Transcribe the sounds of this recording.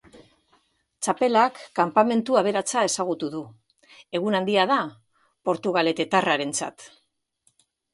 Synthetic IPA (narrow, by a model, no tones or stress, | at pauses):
t͡ʃape̞lakːampame̞nt̪uaβ̞e̞ɾat͡sae̞saɣ̞ut̪uðu | e̞ɣunand̪iað̞a | po̞ɾt̪uɣ̞ale̞t̪e̞t̪araɾe̞nt͡sa̰t̪